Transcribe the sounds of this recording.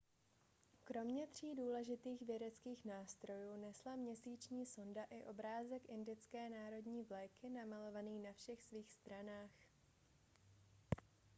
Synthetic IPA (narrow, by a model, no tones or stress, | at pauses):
kɾo̞mɲɛt̪r̝̥iːduːlɛʒɪt̪iːxvjɛdɛt͡skiːxnaːst̪ɾo̞juːnɛslamɲɛsiːt͡ʃɲiːso̞ndaʔɪʔo̞bɾaːzɛkʔɪndɪt͡skɛːnaːɾo̞dɲiːvlɛjkɪnamalo̞vaniːnafʃɛxsviːxst̪ɾanaːx